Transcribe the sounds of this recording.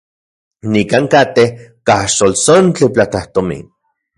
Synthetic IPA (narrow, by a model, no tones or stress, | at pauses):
nikaːŋkat̪ehkaʃolsont͡ɬiplat͡ɬaht̪omḭn